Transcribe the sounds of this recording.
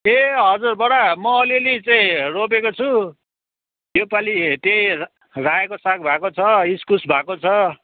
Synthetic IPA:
eɦʌd͡zurbʌɽamʌːlilit͡saĩrop̬ekot͡sʰu | jopalit̪eĩ | rãekosak̚ʰbʱakot͡sʰʌiskusbʱakot͡sʰʌ

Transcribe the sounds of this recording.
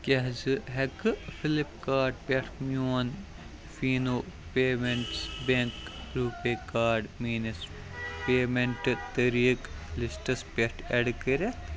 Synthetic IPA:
kɐɦzɨɦɛkɨfʰɪlipkaːɾɖpʲeʈʰmjoːn | fiːnoːpeːmeɳʈsbeŋkɾuːpeːkaːɾɖmiːnɐs | peːmeɳʈɨt̪ɐɾiːklɪsʈɐspʲeʈʰɛɖkəɾe

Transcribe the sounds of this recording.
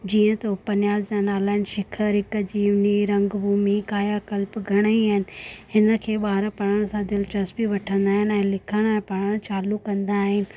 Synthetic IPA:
d͡ʑiːə̃t̪opɐnjaːzd͡ʑaːnaːlaːɪnɪ̆ʃɪkʰəɾɪkə̆d͡ʑiːʊniɾɐ̃ŋɡbʱuːmikaːjakɐlpɡʱɐɽ̃əiaɦɪnɪ̆hɪnə̆kʰeːɓaːɪɾpɐɽəɽ̃sãd̪ɪlt͡ɕɐspiʋɐʈʰə̃nd̪aːɦɪn̆ɛ̃ːlɪkʰəɽ̃ɛ̃ːpɐɽəɽ̃t͡ɕaːlukɐ̃nd̪aːɦɪnɪ̆

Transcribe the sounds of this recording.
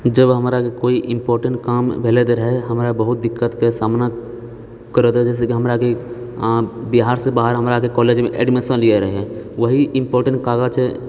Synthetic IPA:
d͡ʒəbɦəmɾakekoːiʔɪ̃mpɔːɾʈə̃ɳʈkaːmbʱeːled̪ɾəɦeɦəmɾabəɦʊt̪̚d̪ɪkːət̪kesaːmna | kəɾət̪ɦɛd͡ʒɛːs̬ekiɦəmɾake | biɦaːɾsẽbaːɦəɾɦəmɾakekɔːleːd͡ʒmẽʔɛ̰ːɖmesə̃nlieɾəɦeʋəɦiʔɪ̃mpɔːɾʈə̃ɳʈ̚kaːɡat͡ʃʰɛ

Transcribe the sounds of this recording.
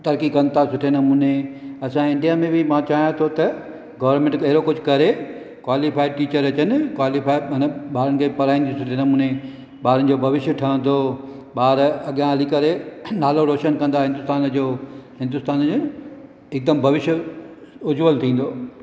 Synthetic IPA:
t̪ɐɾkikɐ̃nt̪ʰasʊʈʰenɐmũːneɐsãɪ̃ɳɖijaːmẽbɪmãt͡ɕaːɦijõt̪ʰot̪ɐ | ɡɐʋəɾmẽːɳʈɐɦɪɾokʊd͡ʑʱʊkɐɾe | kwaːlifaːiʈiːt͡ɕəɾɐt͡ɕənɪ̆kwaːlifaːiɐnɓaːɾənɪ̆kʰeːpɐɾaːĩːnd̪isʊʈʰenɐmuːne | ɓaːɾənɪ̆d͡ʑobʱɐʋɪʃjəʈʰɐə̃n̆d̪o | ɓaːɾɐɠjãɦɐlikɐɾenaːloɾoːʃənkɐ̃nd̪aɦɪ̃nd̪ʊst̪aːnd͡ʑoːɦɪ̃nd̪ʊst̪aːnd͡ʑ | ɪk̚d̪əmbʱɐʋɪʃjə | ʊd͡ʑʋəlt̪ʰĩːn̆d̪oː

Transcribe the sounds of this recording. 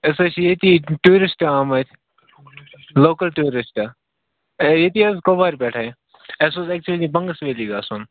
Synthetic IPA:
ɐsɐt͡ʃʰjeːt̪iːʈuːɾɪsʈaːmɐt̪ʲʰ | loːkəlʈuːɾɪsʈa | jet̪iːɐzkoːbaːɾʲbɛːʈʰaːe | esozɛːk̚t͡ʃuəliːbɐŋɡəsʋeːliːɡaːsoːn

